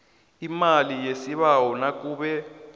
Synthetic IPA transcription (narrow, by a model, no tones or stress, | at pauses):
imalijesiβawɔnak̬ʼuːɓɛ